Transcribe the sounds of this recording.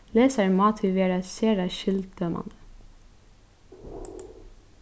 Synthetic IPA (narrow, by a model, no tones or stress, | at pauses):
leːsəɹmɑːt̪ʰʏʋeːɾɑseːɾɑʃʏld̪̚d̪ømʔɑ̰nd̪ə̥